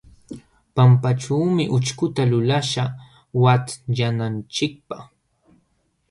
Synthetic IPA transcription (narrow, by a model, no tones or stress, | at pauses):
pampaʈ͡ʂuːmɪʔʊt͡ʃkʊt̪alʊlaʃa | wat̪janant͡ʃɪk̚paχ